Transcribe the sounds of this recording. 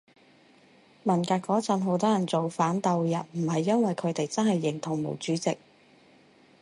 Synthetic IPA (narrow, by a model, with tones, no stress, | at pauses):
mɐ˨˩nkaː˧kɔː˨˥t͡sɐ˨˧nɦo˨˥wt̪ɔː˥jɐ˨˩nt͡so˨wfaː˨˥nt̪ɐ˨˧wjɐ˨n̚m̩˨˩hɐ˨jːɐ˥nwɐ˨jkʰɵ˨˧ɥt̪e˨jt͡sɐ˥nhɐ˨jːɪ˨˩ŋt̪ʰʊ˨˩ŋmo̰˨˩wt͡ʃyː˨˥t͡sɪ˨k̚